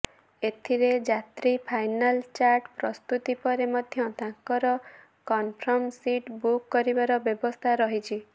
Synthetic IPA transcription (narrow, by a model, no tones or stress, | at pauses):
et̪ʰiɾed͡ʒat̪ɾipʰajnalt͡ʃaɾʈpɾɔst̪ut̪ipɔɾemɔd̪ʱjɔt̪ãŋkɔɾɔ | kɔnpʰɾɔmsiʈbukːɔɾibaɾɔbjɔbɔst̪ʰaɾɔɦit͡ʃʰi